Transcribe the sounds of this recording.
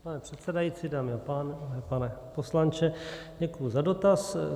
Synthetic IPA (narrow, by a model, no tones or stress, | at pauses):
panɛpr̝̥ɛt̪sɛdajit͡sidaːmɪapaːnɛpanɛposlant͡ʃɛɲɛkuuzado̞t̪as